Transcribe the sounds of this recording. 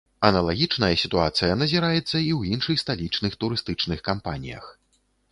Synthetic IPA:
ɐnɐlˠaɣʲit͡ʂnɐjɐsʲit̪uat̪sɨjɐnɐzʲiɾajɛt̪sːɐiwjinʂɨxst̪alʲit͡ʂnɨxt̪uɾɨst̪ɨt͡ʂnɨxkampanʲḭjɐ̰x

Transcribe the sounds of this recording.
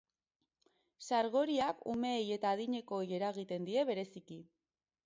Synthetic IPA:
saɾɣ̞o̞ɾiakṵme̞ːje̞t̪aːðiɲe̞ko̞je̞ɾaɣ̞it̪e̞nd̪ie̞βe̞ɾe̞siki

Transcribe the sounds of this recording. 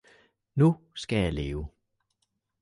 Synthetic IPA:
nusɡ̥æjɑ̈ɪle̝ːʊ

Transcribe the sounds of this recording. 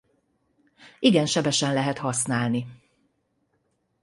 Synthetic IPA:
iɡɛnʃɛbɛʃɛnlɛɦɛt̪hɒsnaːlni

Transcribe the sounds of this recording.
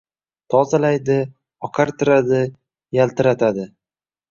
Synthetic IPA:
t̪ʰɒzalajd̪ɪ | ɒqʰaɾt̪ʰɪɾad̪ɪ | jalt̪ʰɪɾat̪ʰad̪ɪ

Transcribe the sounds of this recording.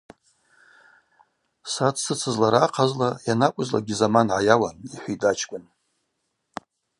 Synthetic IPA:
satʰʼsɨt͡sʰɨzlaɾaqʰazlajanakʷʼʊzla̰ɡʲizamanʕajawaniħʷidʼat͡ʃʰkʷʼʊn

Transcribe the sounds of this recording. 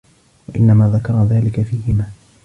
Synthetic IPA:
waʔɪ̰nːamaːðakɑɾˤɑðaːlɪkafiːhɪmaː

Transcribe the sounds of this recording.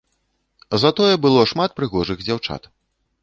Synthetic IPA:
zɐt̪ɔjɛbɨlˠɔʂmat̪̚pɾɨɣɔʐɨɣd͡zʲawt͡ʂa̰t̪

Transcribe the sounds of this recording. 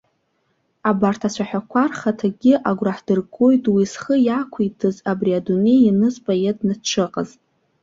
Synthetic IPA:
abartʰasʷʰaħᶣakʷʰarχatʰaɡʲɪʔaɡʷraħd̥ɨrɡo̞jtʼwisχəjakʷʰitʰɨzabriadune̞jinɨzpʼajednɨʈ͡ʂʰɨqʼa̰z

